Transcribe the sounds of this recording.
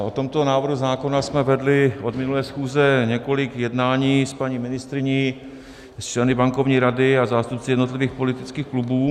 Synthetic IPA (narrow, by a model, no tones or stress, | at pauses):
ʔo̞t̪o̞mt̪o̞naːvɾɦuzaːko̞nasmɛvɛdlɪʔo̞d̪mɪnulɛːsxuːzɛɲɛko̞lɪkjɛdnaːɲiːspaɲiːmɪnɪst̪ɾɪɲiː | st͡ʃlɛnɪbaŋkovɲiːɾadɪazaːst̪up̚t͡sɪjɛdno̞t̪lɪviːxpo̞lɪt̪ɪt͡skiːxklubuː